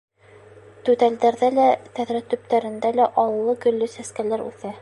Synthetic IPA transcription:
t̪ʉt̪æld̪æɾðælæt̪æðɾæt̪ɵ̆p̚t̪æɾɘ̆nd̪ælæʔɑwɤ̆lˠːɤɡɵ̆lːɵsæskælæɾʉ̰θæ

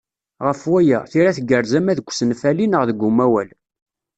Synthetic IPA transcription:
ʁəfwæjæθiɾæθɡəɾzæmæðəɡʷːsənfælinəʁðəɡʷːumæwæl

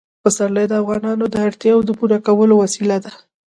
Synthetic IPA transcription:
pəsaɾləjd̪əafɣɑnɑnod̪əaɾt̪jɑwd̪əpuɾakawəlowasilad̪a

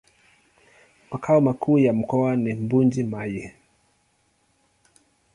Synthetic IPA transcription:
makʰaumakʰuːjam̩kɔanimbund͡ʒimajɛ

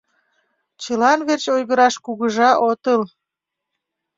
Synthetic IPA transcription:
t͡ɕəlɑnβert͡ɕojɣəɾɑʃkuɣəʒɑʔot̪əl

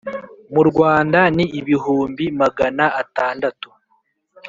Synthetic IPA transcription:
muɾɡwaːndaniiβiɦuːmbimaɡanaataːndatu̥

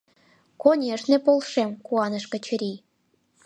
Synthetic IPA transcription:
konʲeʃnĕpolˠʃemkuɑnə̆ʃkə̆t͡ɕɘ̆ɾʲi

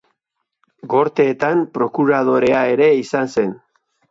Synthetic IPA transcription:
ɡo̞ɾt̪eːt̪ampɾo̞kuɾað̞o̞ɾe̞ae̞ɾe̞isanse̞n

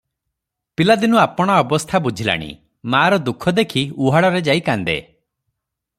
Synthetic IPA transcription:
pilad̪inuapɔɽ̃aɔbɔst̪ʰabud͡ʒʱila̰ɽ̃ḭ | maːɾɔd̪ukʰːɔd̪ekʰiuɦaɽɔɾed͡ʒaikand̪ḛ

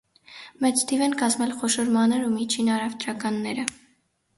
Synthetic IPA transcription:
mɛt͡st̪ʰivɛnkɑzmɛlχɔʃɔɾmɑnəɾumit͡ʃʰinɑɾɑvt̪ɾɑkɑnːɛɾə

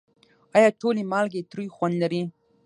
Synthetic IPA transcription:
ɑjɑʈolemɑlɡet̪ɾujxwand̪laɾi

